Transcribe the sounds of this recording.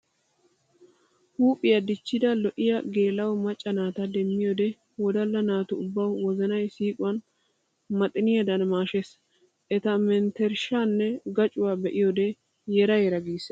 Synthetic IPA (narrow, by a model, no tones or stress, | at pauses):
huːpʼːɪjɐd̪ɪt͡ʃːɪd̪ɐlɔʔɪjɐɡe̞ːlɐwɔmɐt͡ʃʼːɐnaːt̪ɐd̪ɛmːɪjod̪ɛ | wɔd̪ɐlːɐnaːt̪ʊʊbːɐwwɔzɐnɐjsiːkʼʊwɐn | mɐt̪ʼːɪnɪjɐd̪ɐnmaːʃes | ʔɛt̪ɐmɛnt̪ɛɾʃaːnːɛɡɐt͡ʃʼʊwaːbɛʔɪjod̪ɛ | jɛɾɐjɛɾɐɡiːs